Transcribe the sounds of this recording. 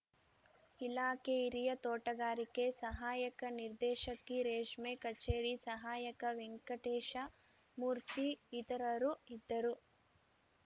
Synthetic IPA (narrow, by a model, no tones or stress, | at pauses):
ilaːkeiɾijɐt̪oːʈɐɡaːɾikesɐɦaːjɐkɐniɾd̪ɛːʃɐkːiɾeːʂmekɐt͡ʃeːɽisɐɦaːjɐkɐʋeŋkɐʈeːʃɐ | muːɾt̪iːt̪ɐɾɐɾuid̪ːɐɾu